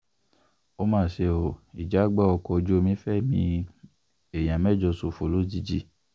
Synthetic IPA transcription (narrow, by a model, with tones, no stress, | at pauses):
o˦mãː˦˨ʃe˧˨o˨i˨d͡ʒa˨˦ɡ͡ba˦ɔ˧kɔ˧o˧d͡ʒo˦o˦˧mĩ˦fɛ˦˨mĩ˧ | e˨j̃ã˨mɛ˦˨d͡ʒɔ˧so˨fo˨lo˨˦di˧d͡ʒi˦